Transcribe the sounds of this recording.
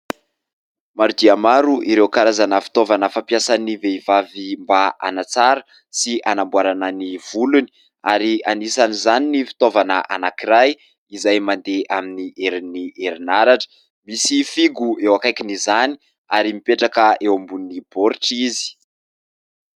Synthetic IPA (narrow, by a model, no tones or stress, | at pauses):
maɾud̪iamaɾuʔiɾewkaɾazanəfi̥t̪ovanəfampjasaniveivavimbaʔa̰nat͡saɾə | sianambwaɾananiv̥uluni̥ | aɾianisanizaninifi̥t̪ovanəʔa̰nakiɾaj | izajmand̪eʔaminiʔeɾiniʔeɾinaɾaʈ͡ʂə̥ | misifiɡuewakajkinizani̥ | aɾimipeʈ͡ʂakəewambunnib̥oɾiʈ͡ʂizi̥